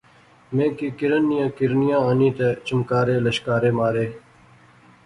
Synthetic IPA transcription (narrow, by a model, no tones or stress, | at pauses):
mẽːkiːkɪɾənːijãːkɪɾnijãːaːniːt̪et͡ɕumkaːɾeːləɕkaːɾeːmaːɾeː